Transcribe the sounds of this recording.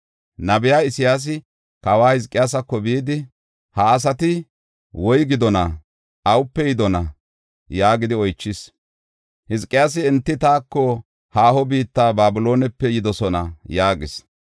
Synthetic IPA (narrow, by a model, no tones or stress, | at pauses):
nɐbɪjaːɪsɪjaːs̬ɪ | kɐwaːhɪzkʼɪjaːs̬ɐkːɔbiːd̪ɪ | hɐːs̬ɐt̪ɪ | wɔjɡɪd̪ɔnɐ | ʔɐwʊpːɛjɪd̪ɔnɐ | jaːɡɪd̪ɪɔjt͡ʃːɪs | hɪzkʼːɪjaːs̬ɪɛnt̪ːɪt̪aːkːɔ | haːhɔbiːt̪ːaːbaːbɪlo̞ːnɛpːɛjɪd̪ɔsɔnɐjaːɡɪs